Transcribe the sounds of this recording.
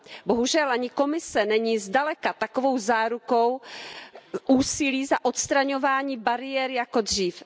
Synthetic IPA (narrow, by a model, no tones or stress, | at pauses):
bo̞ɦuʒɛlʔaɲɪko̞mɪsɛnɛɲiːzdalɛkat̪akovo̞wzaːɾuko̞w | ʔuːsɪliːzaʔot̪st̪ɾaɲo̞vaːɲiːbaɾɪjɛɾjako̞dr̝iːf